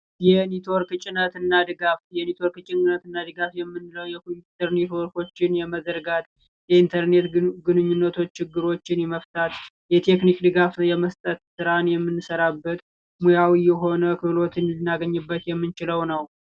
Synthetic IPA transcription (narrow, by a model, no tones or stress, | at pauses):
jɛnit̪ʰo̞ɾkɨt͡ʃʼɪnət̪ɨnːad̪ɨɡafjɛnit̪ʰo̞ɾkɨt͡ʃʼːɪŋɡɨnət̪ɨnːad̪ɨɡafjɛmːɨnːɨləwjɛkut̪ʰəɾnet̪ʰoɾko̞t͡ʃːɪnjɛməzəɾɡat̪ | jɛint̪ʰəɾne̞t̪ɡɨnɨɲːunːət̪ʰo̞t͡ʃːt͡ʃʰːɪɡːɨɾo̞t͡ʃːɪnjɛməft̪ʰat̪ | jɛt̪ʰe̞knikd̪ɨɡafjɛməst̪ʼət̪sɨɾanjɛmːɨnːɨsəɾabːət̪ | mujawijɛɦo̞nəkʰɨβlo̞t̪ʰɨnlɨnːaɡəɲːɨbːət̪jɛmːɨnt͡ʃɪləwnəw